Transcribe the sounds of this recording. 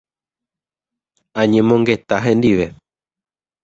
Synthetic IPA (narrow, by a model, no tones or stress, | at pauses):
ãɲẽ̞mõ̞ŋɡe̞t̪aɦẽ̞nd̪iʋe̞